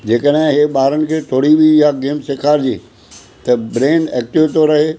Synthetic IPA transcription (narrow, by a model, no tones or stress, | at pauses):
d͡ʑeːkəɗɦɪ̃ɦeɓaːɾənɪ̆kʰeːt̪ʰoːɽibʱiɪjaɡeːmsekʰaːɾd͡ʑḭː | t̪ɐbɾeːnɛːk̚ʈɪʋt̪ʰoɾɐɦeː